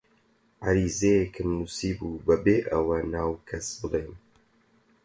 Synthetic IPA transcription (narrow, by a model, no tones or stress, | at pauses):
ʕaɾiːzejekʰɨmnusiːbuːbɐbeːʔɐwɐnaːwkʰɐsbɨlejn